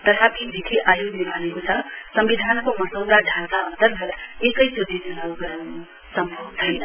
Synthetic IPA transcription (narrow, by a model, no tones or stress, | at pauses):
t̪ʌt̪ʰapid̪ʱikʰiʔajoɡlebʱʌnekot͡sʰʌsʌmbid̪ʱankomʌsʌwd̪aɖʱat̪aʌnt̪ʌɾɡʱʌɾekʌjsud̪ʱit̪lawɡ | sʌmbʱʌbt͡sʰʌjnʌ